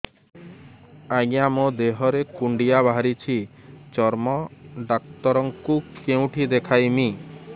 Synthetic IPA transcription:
aɡĩamod̪eɦɔɾekuɳɖijabaɦaɾit͡ʃʰit͡ʃɔɾmɔɖakt̪ɔɾɔŋkukeũʈʰid̪ekʰajmi

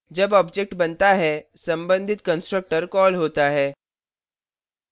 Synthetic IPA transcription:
d͡ʑəbɔbd͡ʑek̚ʈbənt̪aɦɛsəmbənd̪ʱit̪kənsʈɾək̚ʈəɾkɔlɦot̪aɦɛ

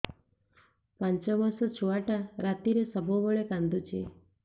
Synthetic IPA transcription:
pãnt͡ʃɔbəɾsɔt͡ʃʰuaʈaɾat̪iɾesəbʱobəɭekãnd̪ut͡ʃʰe

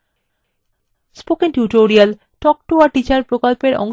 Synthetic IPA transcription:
spokeŋʈjuʈoɾial | ʈɔk̚ʈuaʈit͡ɕaɾpɾokolpeɾɔ̰ŋ

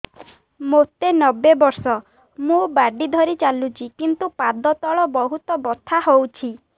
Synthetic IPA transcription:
mot̪enɔbebɔɾsɔ | mũbaɖid̪ʱɔɾit͡ʃalut͡ʃʰikint̪upad̪ɔt̪ɔɭɔbɔɦut̪ɔbɔt̪ʰaɦowt͡ʃʰi

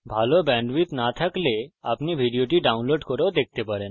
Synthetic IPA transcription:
bʱalɔbɛ̃ɳɖʋit̪nat̪ʰakleapniːbʱiɽijoʈ̬iːɖaunloɖkɔɾɔd̪ek̚t̪epəɾen

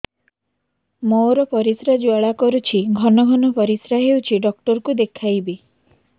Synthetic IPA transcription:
moɾɔpɔɾisɾad͡ʒuaɭakɔɾut͡ʃʰiɡʱɔnɔɡʱɔnɔpɔɾisɾaɦewt͡ʃʰiɖɔkʈɔɾkud̪ekʰajbi

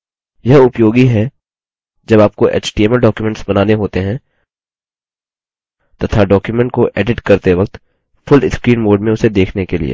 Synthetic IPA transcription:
jɐɦʊpjoːɡiɦɛ | d͡ʒɐbaːp̚koʔḛːt͡ʃʈiɛməlɖɔːkjumɛ̃ɳʈsbɐnaːneɦoːt̪eɦɛ̃ | t̪ɐt̪ʰaɖɔːkjumɛ̃ɳʈ̚koʔeːɖɪʈkɐɾt̪eʋɐk̚t̪ | fʰʊlɪskɾiːnboːɾɖmẽʊsed̪eːkʰnekelḭḛː

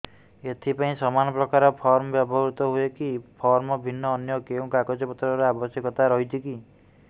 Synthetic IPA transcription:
et̪ʰipaĩsɔmanɔpɾɔkaɾɔpʰɔɾmɔbjabʱɔɾut̪ɔɦuekipʰɔɾmɔbʱinːɔːnjɔkeũkakɔd͡ʒɔpɔt̪ɾɔɾeabɔsjɔkɔt̪aɾɔɦit͡ʃʰiki

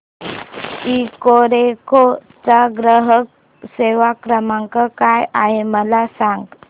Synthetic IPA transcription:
ikoɾeko | t͡saɡɾəɦək̚ | seʋakɾəmaŋkəkajaɦeməlasaŋɡ

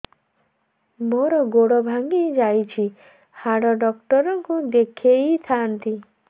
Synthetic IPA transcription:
moɾɔɡoɽɔbʱaŋɡid͡ʒajt͡ʃʰi | haɽɔɖɔkʈɔɾɔŋkud̪ekʰeit̪ʰant̪i

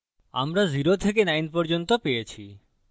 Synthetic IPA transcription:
a̰mɾaziɾot̪ʰek̬enajnpɔɾd͡ʑont̪opejet͡ɕʰi

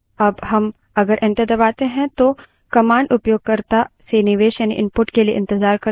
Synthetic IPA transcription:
ɐbɦɐm | ɐɡəɾʔɪ̃nt̪ɪd̪ɐʋaːt̪eɦɛ̃t̪o | kɐmaːɳɖʊpjoːɡ̚kɐɾt̪asenɪʋeːʃjaːnḭʔɪmpʊʈkeliḛʔɪ̃nt̪ɪzaːɾkɐɾ

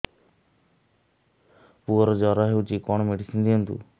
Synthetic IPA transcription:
puɔɾɔd͡ʒɔɾɔɦewt͡ʃikɔɽɔmeɽisind̪iɔnt̪ṵ

